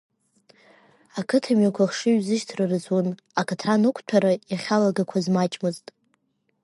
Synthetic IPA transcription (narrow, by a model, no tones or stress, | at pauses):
akʰɨtʰamakʷʰaχʂɨɥzɨʃtʰrɨrɨzwun | akʰatʰanɨkʷʰtʷʰaɾajaχʲalaɡakʷʰazmat͡ʃʼmɨztʼ